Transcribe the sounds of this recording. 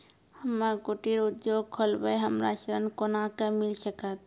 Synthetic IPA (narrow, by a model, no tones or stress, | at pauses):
həmːəkoʈiɾud̪joɡ̚kʰolbəɦəmɾa̰ʃɾənkonakəmilsəkət̪̚